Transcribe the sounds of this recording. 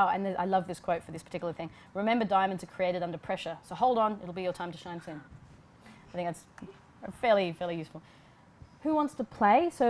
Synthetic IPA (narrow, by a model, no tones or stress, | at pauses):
ʊɨ̰̃nðəʔa̰ɪlʌvðɪskʰw̥oʊtfə˞ðɪspʰə̥˞tʰɪkjl̩ˠə˞θɪ̃ŋ | ɹɨmɛ̃mbə˞dãɪ̃mɨ̃ndtʰɨkʰɹ̥ieɪɾɨɾʌ̃ndə˞pʰɹ̥ɛʃə˞soʊɦoʊlˠdn̩ɪ̰ɾl̩ˠbijə˞tʰãɪ̃mtʰɨʃãɪ̃nsɪ̃n | aɪθɪ̃ŋkðæts | fɛɹlˠifɛɹlˠijʉsfl̩ˠ | hʉwɑ̃ntstʰəpʰl̥eɪsoʊ